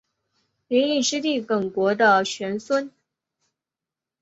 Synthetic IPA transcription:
li˧˥ŋi˥˩ʂɻ̩˥t̪i˥˩kə˨˩ŋkwɔ˧˥d̪ə˧t͡ɕʰɥɛ˧˥nswə˥n

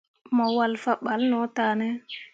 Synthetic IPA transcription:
mɔ˨wa˨lfa˨ɓa˨lnɔ˨˦ta˨nɛ˦

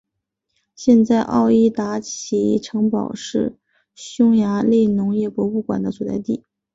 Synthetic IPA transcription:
ɕjɛ˥˧nt͡sa˥˧ɪʔɑ̰˥˧ʊi˥˩t̪a˧˥t͡ɕʰi˧˥ʈ͡ʂʰɤ˧˥ŋpɑ˨˩ʊʂɻ̩˥˩ | ɕjʊ˥ŋja˧˥le˥˩ɪnʊ˧˥ŋjɛ˥˩pwɔ˧˥u˥˩kwa̰˨˩nd̪ə˦t͡su˨˩t͡sa̰˥˧ɪt̪i˥˩

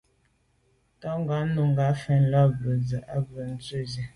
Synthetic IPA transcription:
tɔ˦ŋ˦ɡa˨˦nu˨ŋ˨ɡa˨˦fɛ˨˦n̩˦lɔ˦bə˨d͡zə˨ʔa˦bə˨n̩˦t͡sə˦zɛ˨

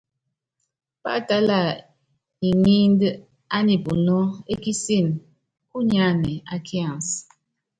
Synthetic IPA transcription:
pa̰˦˨ta˦la˨ | i˨ŋi˦n˦d | a˦ni˨pu˨nɔ˦e˦ki˦si˦˨n | ku˦ɲa˦nɛ˨a˦kʰi˦ã˨ns

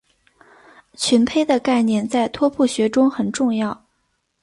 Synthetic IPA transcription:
t͡ɕʰy˧˥npʰe˥ɪd̪ə˨ka˥˧ɪnjɛ˥˧nt͡sa˥˩ɪt̪ʰwɔ˥pʰu˥˩ɕɥɛ˧˥ʈ͡ʂʊ˥ŋxə˨˩nʈ͡ʂʊ˥˧ŋjɑ˥˩ʊ

